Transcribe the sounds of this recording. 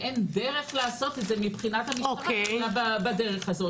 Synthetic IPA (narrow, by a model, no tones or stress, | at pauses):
ʔendeʁe̞χlaaso̞t̪etze̞mipχinathamiokeababadeʁeχazo̞t